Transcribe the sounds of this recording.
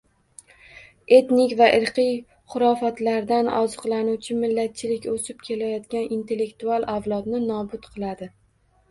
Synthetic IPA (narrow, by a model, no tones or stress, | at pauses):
e̞t̪nɪkʲvaʔɪɾqʰɨj | χʊɾɒfat̪laɾd̪anɒ̰zɨqlˠanuwt͡ʃʰɪmɪlːat̪̚t͡ʃʰɪlɪkʲosɪp̚kʲʰe̞lajɒt̪kʲanʔint̪ʰe̞lːe̞kt̪ualˠavlˠɒt̪nɪnɒbʊt̪qʰɨlˠad̪ɪ